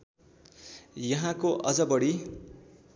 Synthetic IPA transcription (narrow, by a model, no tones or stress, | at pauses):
jʌɦãkoʔʌd͡zʌbʌɽi